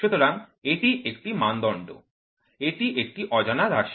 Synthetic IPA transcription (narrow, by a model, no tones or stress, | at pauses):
ʃut̪oɾaŋeʈiʔek̚ʈimand̪ɔɳɖo̰ | eʈiʔek̚ʈiʔɔd͡ʑanaɾaɾʃ